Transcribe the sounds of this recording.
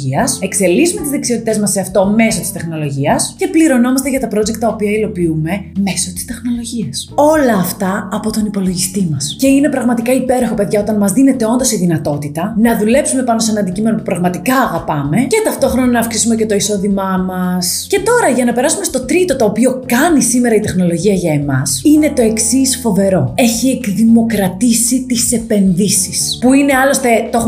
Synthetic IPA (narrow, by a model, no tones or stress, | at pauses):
iɐse̞kse̞lizume̞t̪izðeksiot̪it̪e̞zmɐsːe̞ɐft̪ome̞so̞t̪i̥st̪e̞xno̞lo̞ʝiɐsce̞pliɾo̞no̞mɐst̪eʝɐt̪ɐpɾo̞zekt̪ːɐopiɐilo̞piume̞me̞so̞t̪i̥st̪e̞xno̞lo̞ʝiɐso̞lɐːft̪ɐːpo̞t̪o̞nipo̞lo̞ʝist̪imɐsce̞ine̞pɾɐɣmɐt̪ikɐipe̞ɾoxo̞pe̞ðʝɐo̞t̪ɐnmɐzðine̞t̪e̞o̞nd̪o̞siðinɐt̪o̞t̪it̪ɐnɐðule̞psume̞pɐno̞senɐːnd̪icime̞nopupɾɐɣmɐt̪ikɐːɣɐpɐme̞ce̞t̪ɐft̪o̞xɾo̞nɐnɐːfksi̥sume̞ce̞t̪o̞iso̞ðimɐmɐsce̞t̪o̞ɾɐʝɐnɐpe̞ɾɐsume̞st̪o̞t̪ɾit̪o̞t̪oːpio̞kɐnisime̞ɾɐit̪e̞xno̞lo̞ʝiɐʝɐe̞mɐ̰sine̞t̪o̞e̞ksisfo̞ve̞ɾo̞e̞çiekðimo̞kɾɐt̪isit̪ise̞pe̞nðisispuine̞ɐlo̞st̪e̞t̪ox